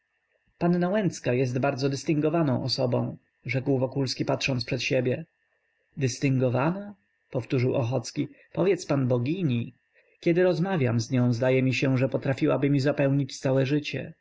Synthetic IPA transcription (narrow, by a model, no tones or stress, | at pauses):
panːawɛnt̪skajɛs̬t̪baɾd̪zɔd̪ɘst̪ɘŋɡɔvanɔ̃w̃ɔsɔbɔ̰̃w̃ | ʐɛkwvɔkulskʲipat̪ʂɔnspʂɛt̪ɕebʲjɛ | d̪ɘst̪ɘŋɡɔvana | pɔft̪uʐɘwʔɔ̰xɔt̪skʲi | pɔvʲjɛt̪spanbɔɡʲiɲi | kʲɛd̪ɘɾɔzmavʲjamzɲɔ̃w̃zd̪ajɛmʲiɕɛʐɛpɔt̪ɾafʲiwabɘmʲizapɛwɲit͡ɕt̪sawɛʐɘt͡ɕɛ̰